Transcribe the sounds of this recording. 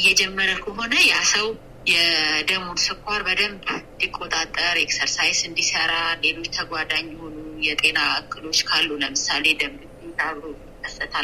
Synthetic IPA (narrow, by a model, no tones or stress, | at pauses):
ɨjːɛd͡ʒɛmːəɾəkʰəɦo̞nəjasəw | jɛd̪əmud̪sɨkʷʰːaɾbəd̪əmb̪d̪ikʼːo̞t̪ʼat̪ʼːəɾeksəɾsajsɨnd̪isəɾale̞lo̞t͡ʃːt̪ʰəɡʷad̪aɲːɛho̞nujɛt̪ʼe̞naɨkʼːɨlo̞t͡ʃːkʰalːuləmɨsale̞d̪əmɡɨt̪ːed̪aβɾojjɪkːəsːət̪ʰal